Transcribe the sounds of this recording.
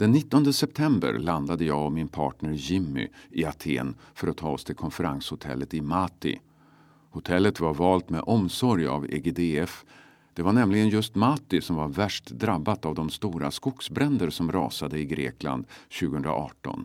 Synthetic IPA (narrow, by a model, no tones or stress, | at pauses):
d̪̥ɛnːɪt̪ːɔnd̪əsɛp̚t̪ʰɛmbə̰ɾland̪ad̪əjɑːɡɔmːɪnpʰɑ̰ːʈɳəɾjɪmːʏ̰ɪat̪ʰḛːnfœɾɔt̪ʰːɑːɔst̪ʰɪlkʰɔnfəɾanshʊt̪ʰɛ̰lːət̪ɪmat̪ɪ̰ | hʊt̪ʰɛlːət̪vaɾvɑːlt̪mɛ̰ʔɔmsɔɾja̰vḛɡed̪eɛf | d̪̥ɛvaɳɛmlɪɡənjɵst̪maːt̪ɪsɔmvaɾvæʂʈd̪ɾabːat̪avd̪ɔmst̪uːɾaskʊksbɾɛnd̪əɾsɔmɾɑ̰ːsad̪əɪɡɾḛːkla̰nd̪ɕʉɡəhɵnd̪ɾa̰ʔɑːʈɔ̰n